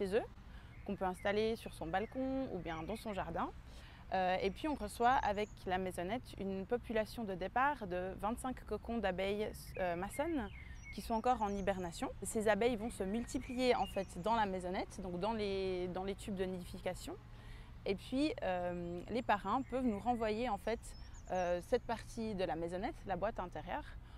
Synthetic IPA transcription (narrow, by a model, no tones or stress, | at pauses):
ʃezø | kɔ̃pøɛ̃st̪alesyʁsɔ̃balkɔ̃ṵbjɛ̃d̪ɑ̃sɔ̃ʒaʁd̪ɛ̃ | øepɥiɔ̃ʁəswaa̰vɛklamezɔnɛt̪y̰npɔpylasjɔ̃d̪əd̪epaːʁd̪əvɛ̃t̪sɛ̃kːɔkɔ̃d̪abɛj | ømasɔn | kʲisɔ̃ɑ̃kɔʁɑ̃nibɛʁnasjɔ̃sezabɛjvɔ̃səmylt̪iplijeɑ̃fɛt̪d̪ɑ̃lamezɔnɛt̪d̪ɔ̃kd̪ɑ̃led̪ɑ̃let̪ybd̪ənid̪ifikasjɔ̃ | epɥiømlepaʁɛ̃pœvnuʁɑ̃vwajeɑ̃fɛt̪ | øsɛt̪̚paʁt̪ʰid̪əlamezɔnɛt̪labwat̪ɛ̃t̪eʁjœːʁ